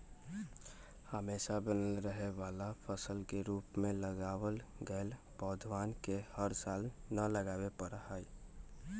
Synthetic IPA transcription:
həmeːʃabənəlɾəɦeʋaːlapʰəsəlkeɾuːpmẽləɡaːwəlɡəːl | pɔːd̪ʱʋaːnkehəɾsaːlnələɡaːwepəɾahə

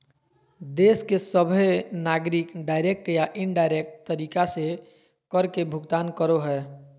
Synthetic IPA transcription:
d̪eːskesəbʱenaːɡɾikɖaːɪɾek̚ʈjaʔɪɳɖaːɪɾek̚ʈt̪əɾiːkase | kəɾkebʱʊɡt̪aːnkəɾoɦɛː

